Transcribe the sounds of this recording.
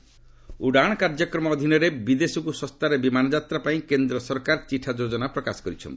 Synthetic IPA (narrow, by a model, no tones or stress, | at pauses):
uɽaɽ̃ɔkaɾd͡ʒɔkɾɔmɔːd̪ʱinɔɾebid̪esɔkusɔst̪aɾebimanɔd͡ʒat̪ɾapaĩkend̪ɾɔsɔɾkaɾt͡ʃiʈʰad͡ʒod͡ʒɔnapɾɔkasɔ̥kɔɾit͡ʃʰɔ̰nt̪i̥